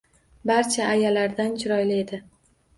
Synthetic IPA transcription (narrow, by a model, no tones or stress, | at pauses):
baɾt͡ʃʰaːjalaɾd̪ant͡ʃʰɪɾɒjlɪe̞d̪ɪ